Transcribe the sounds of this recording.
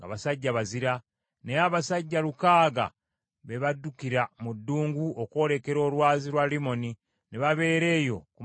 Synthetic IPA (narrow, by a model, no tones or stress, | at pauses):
ŋɡa̰βasaɟːaβaziɾa | ne̞aβasaɟːalukaːɡa̰ | βe̞βadːukiɾamudːuːŋɡuoko̞ːɾe̞ke̞ɾo̞ːlwaːziɾwalimo̞ni | neβaβe̞ːɾe̞ːjo̞ku